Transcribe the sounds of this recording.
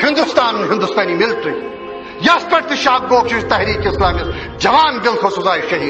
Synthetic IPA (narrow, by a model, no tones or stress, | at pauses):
hɪ̃nd̪ʊst̪aːnɦɪ̃nd̪ʊst̪aːnimɪlʈɾiː | jɐspɐʈt̪ɪʃaːd̪̚ɡoːkʃit̪ɐɦɾiːkeɪslaːmiːs | d͡ʑɐʋaːnɡɪlt̪ʰoːsʊzaːiʃɐɦiː